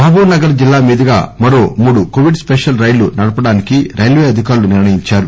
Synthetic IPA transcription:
bʱaːbuːnɐɡɐɾɐd͡ʒilːaːmiːd̪ɐɡa̰ːmɐɾo̞ːmuːɽukoːʋiɖspeʃɐlɾɐjlunɐɽɐpɐɽaːnikiɾɐjlʋeːɐd̪ʱikaːɾluniɾɳɐjiɲt͡ʃaːɾu

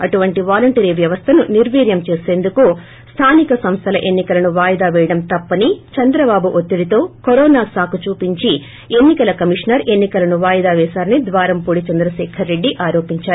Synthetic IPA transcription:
ɐʈuʋɐɳʈiʋaːlɐɳʈeɾiʋjɐʋɐst̪ʰɐnuniɾʋiːɾjɐmt͡ʃeːse̞ːnd̪uku | st̪ʰaːnikɐsɐmst̪ʰɐlɐʔe̞nːikɐlɐnuʋaːjɐd̪aːʋɛːjɐɽɐmt̪ɐpːɐnit͡ʃɐnd̪ɾɐbaːbuʔot̪ːiɽit̪o̞ːkoɾɔːnaːsaːkut͡ʃuːpiɲt͡ʃi | e̞nːikɐlɐkɐmiʂnɐɾʔe̞nːikɐlɐnuʋaːjɐd̪aːʋɛːsaːɾɐnid̪ʋaːɾɐmpuːɽit͡ʃɐnd̪ɾɐʃɛːkʰɐɾːe̞ɖːiʔaːɾo̞ːpiɲt͡ʃaːɾu

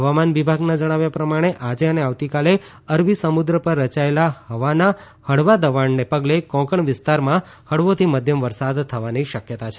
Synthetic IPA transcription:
ɦəʋamanʋibʱaɡnad͡ʒəɽ̃aʋjapɾəmaɽ̃eʔad͡ʒeəneaʋt̪ikale | əɾʋisəmud̪ɾəpəɾːət͡ʃaelahəʋana | həɽʋad̪əʋaɳnepəɡlekɔ̃kəɳʋɪst̪aɾmã | həɽʋot̪ʰiməd̪ʱjəmʋəɾsad̪t̪ʰːəʋaniʃəkjət̪at͡ʃʰe

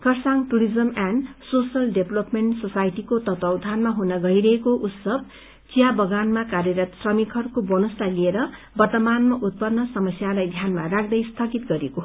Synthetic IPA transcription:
kʌrsaŋʈuɾid͡zʌmansosjʌlɖeblopmeɳʈsosajʈikot̪ʌt̪ʌwd̪ʱanmaɦunʌɡʌiɾʌɦekoʔut̪sʌb | t͡sijabʌɡanmakarjʌɾat̪srʌmikʰʌɾukobʌnʌst̪alieɾʌ | bʌrt̪ʌmanmʌʔut̪̚pʌnːʌsʌmʌsjalajd̪ʱjanmarak̚ʰd̪ʌjst̪ʰʌɡit̪̚ɡʌɾeko

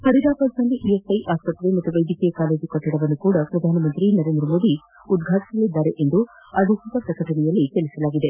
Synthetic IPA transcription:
pɐɾiɾaːpɐɾsɐndiʔiesɐjʔaːspɐt̪ːɾemɐt̪ːuʋɐjɖʱiːkijɐkaːle̞ːd͡ʒukɐʈːiɽɐʋɐnːukuːɽɐpɾɐd̪ʱaːnɐmɐnt̪ɾinɐɾeːnd̪ɾɐmo̞ːd̪i | ud̪ɡʱaːʈi̥sɐlid̪ːaːɾeʔe̞nd̪u | ɐd̪ʱuɡikɐpɾɐkɐʈɐɳɛjɐlːike̞lisɐlaːɡid̪e̞

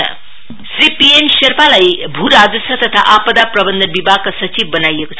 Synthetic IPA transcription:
sripiensʌrpalajbʱuɾad͡zʌsʌt̪ʌt̪ʰaʔapʌd̪aprʌbʌnd̪ʌnbibʱaɡ̚kasʌt͡sib̚ːʌnajekot͡sʰ

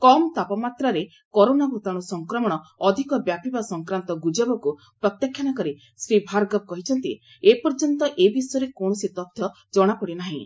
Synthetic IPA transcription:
kɔmɔt̪apɔmat̪ɾaɾe | kɔɾonabʱut̪aɽ̃ɔsɔŋkɾɔmɔɽ̃ɔɔd̪ʱikɔbjapibasɔŋkɾant̪ɔɡud͡ʒabɔku | pɾɔt̪jakʰjanakɔɾi | sɾibʱaɾɡɔb̚kɔɦit͡ʃʰɔnt̪ḭ | epɔɾd͡ʒɔnt̪ɔʔebisɔjɔɾekoɽ̃ɔsit̪ɔp̚t̪ʰjɔ | d͡ʒɔɽ̃apɔɽinaɦḭ̃

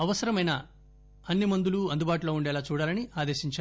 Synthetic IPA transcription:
ɐʋɐsɐɾɐmɐjnɐ | ɐnːimɐnd̪uluɐnd̪ubaːʈ̬ulo̞ːuɳɖɛːlaːt͡ʃuːɽaːlɐniaːd̪e̞ːʃiɲt͡ʃa

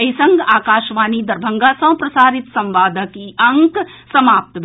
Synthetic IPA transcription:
ɐisɐ̃ŋɡaːkaːʃʋaːnid̪ɐɾbʱɐ̃ŋɡasɐ̃pɾɐsaːɾɪt̪sɐ̃mʋaːd̪ʱəkiɐŋksɐmaːp̚t̪b

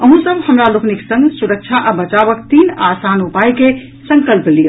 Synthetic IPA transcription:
əɦũsəbʱhəmɾalokniksə̃ŋɡsuɾək̚t͡ʃʰaʔabət͡ʃaβəkt̪inasanupajke | sə̃ŋkəlplijəl

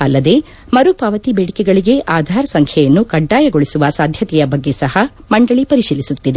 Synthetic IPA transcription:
ɐlːɐd̪e̞ | mɐɾupaːʋɐt̪ibeːɽikɛɡɐɭiɡe̞ʔaːd̪ʱaːɾɐsɐŋkʰɛjɐnːukɐɖːaːjɐɡoɭisuʋɐsaːd̪ʱjɐt̪ɛjɐbɐɡːe̞sɐhɐ | mɐɳɖɐɭipɐɾiʃiːlːisut̪ːid̪e

